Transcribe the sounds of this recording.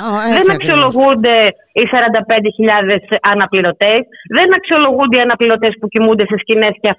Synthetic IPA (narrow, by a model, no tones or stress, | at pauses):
ðe̞nɐksio̞lo̞ɣund̪e̞ | isɐɾɐnd̪ɐpe̞nd̪eçiʎɐðe̞sɐnɐpliɾo̞t̪e̞sðe̞nɐksio̞lo̞ɣund̪eiɐnɐpliɾo̞t̪e̞spucimund̪e̞se̞scine̞sceɐ